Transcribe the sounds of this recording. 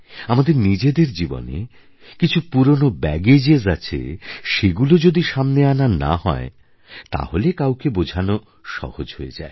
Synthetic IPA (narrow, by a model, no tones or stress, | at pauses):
amad̪eɾnid͡ʑed̪eɾd͡ʑibo̰nḛ | kit͡ɕʰupuɾonobɛɡed͡ʑezat͡ɕʰḛʃeɡulod͡ʑod̪iʃamneanana̰ɦɔ̰e | t̪a̰holekawkebod͡ʑʱano | ʃɔ̰hod͡ʑhoed͡ʑa̰e